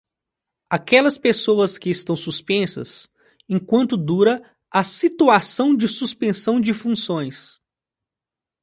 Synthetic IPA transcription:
akɛlɐspesowɐskɪːst̪ɐ̃w̃suspẽsɐ̰s | ẽkwɐ̃nt̪ʊd̪uɾɐ | ɐsit̪uasɐ̃w̃d͡ʒɪsuspẽsɐ̃w̃d͡ʒɪfũsõj̃s

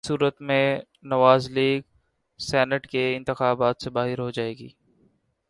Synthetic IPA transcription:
suːɾət̪mẽ | nɐʋaːzliːɡ | sɛːnəʈkeɪ̃nt̪ɪxaːbaːt̪sebaːɦɪɾɦod͡ʒaːeːɡḭː

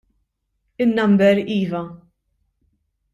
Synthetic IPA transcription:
ɪnːɐmbɛɾiːvɐ

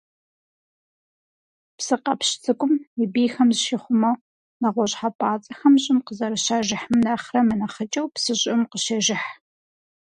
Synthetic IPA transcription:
psɨqɐ̰pɕt͡sʰɨkʷʼʊmibiːxɐmzɨʃɪχʷʊmɐw | nɐʁʷɔɕʼħapʼaːt͡sʼɐxɐmɕʼɪmqəzɐɾɨʃaːʒɪħmɨnɐχrɐmɨnɐχət͡ʃʼɐwpsɨɕʼɪmqəʃɐʒɪħ

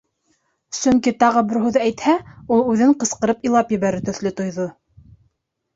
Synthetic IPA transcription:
sɵŋkit̪ɑʁɤbɘɾɦʉðɘæjt̪hæulˠʉðɘɴqɤ̆sqɤ̆ɾɤpilˠɑpjɘ̆βæɾɘt̪ɵ̆ðlɵt̪ŏjðo

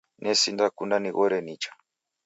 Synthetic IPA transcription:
nʔɛsindakundaniɣɔɾɛnit͡ʃḁ

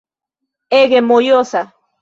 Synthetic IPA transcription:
eɣemojosa

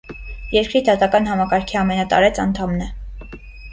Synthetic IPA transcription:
jɛɾkɾid̪ɑt̪ɑkɑn̪ɦɑmɑkɑɾkʰiɑmɛnɑt̪ɑ̰ɾɛt͡sʰɑnt̪ʰɑmnɛ

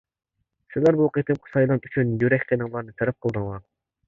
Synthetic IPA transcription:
sɪzlæɾbuqʰet̪ʰɨmqʰə̥sɑjlˠɑnyt͡ʃʰynjyɾɛkʲt̪ʰenɨŋlˠɑɾnɨt̪ʰeɾɛp̚qʰəlˠd̪ɨŋlˠɑ

